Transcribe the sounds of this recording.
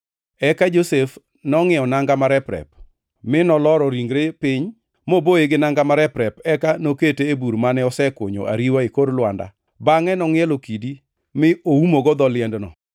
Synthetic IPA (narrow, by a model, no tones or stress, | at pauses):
ɛkad͡ʒosef | nɔŋɪɔnaŋɡamaɾɛpɾɛ̰p̚ | mɪnɔlɔɾɔɾiŋɡɾepɪɲ | moboeɡɪnaŋɡamaɾɛpɾɛpɛkanoketeːbuɾmanɛɔsɛko̰ɲo̰ʔa̰ɾiwaikodlwanda̰ | baŋɛnɔŋɪɛlokidi | mɪoumoɡɔd̪ɔlɪɛndnɔ̰